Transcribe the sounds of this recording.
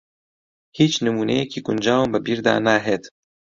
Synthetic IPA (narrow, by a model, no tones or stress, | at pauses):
hiːt͡ʃnɨmuːnɛjɛkiːkʊnd͡ʒaːwmbɨbiːɾd̪a̰ːnaːɦet̪